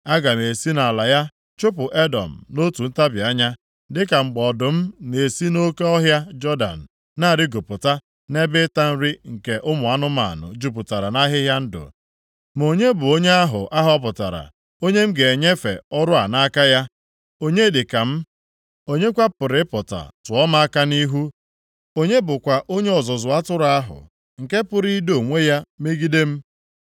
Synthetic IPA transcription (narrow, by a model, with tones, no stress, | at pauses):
a˦ɡa˨ne˨si˦na˨a˨la˨ja˦ | t͡ʃʊ˦p̬ʊ˨ʔe˦dɔ̰˨m̩˨no˦tu˨n̩˦ta˦bja˦ɲa˦ | dɪ˦ka˨ŋ͡m̩˨ɡ͡bɔ˨dʊ˨m̩˦ne˨si˦no˦ke˦ɔ˦ɦja˦d͡ʒɔ˦da̰˨n̩˨ | na˦a˦˨ɾɪ˦ɡo˨pʊ˨ta˦ | ne˦bɪ˦ta˦n̩˦ɾɪ˦ŋ̩˨ke˨ʔʊ˦mʊ˨a˦nʊ˦ma̰˨nʊ̰˨d͡ʒu˦pʊ˨ta˨ɾa˨na˦ɦɪ˦ɦja˦n̩˦dʊ̰˨ | m˨o˨ɲe˦bʊ˨o˦ɲe˦a˦ɦʊ̰˨ʔa˦ɦɔ˦p̬ʊ˨ta˨ɾa̰˨ | o˦ɲe˦m̩˦ɡe˨e˨ɲe˦fḛ˨ɔ˦ɾʊ˦a̰˨na˦a˦ka˦ja˦ | o˦ɲe˦dɪ˨ka˨m̩˦ | o˦ɲe˦kʷa˦pʊ˨ɾɪ˦pʊ˨ta̰˨tʊ˨ɔ˦ma˦a˦ka˦ni˦ɦu˦ | o˦ɲe˦bʊ˨kʷa˨ʔo˦ɲe˦ɔ˨zɔ˨zʊ˨a˦tʊ˦ɾa˦a˦ɦʊ̰˨ | ŋ̩˨ke˦pʊ˦˨ɾi˦do˨ŋʷe˦ja˦me˦ɡi˦de˦m̩˦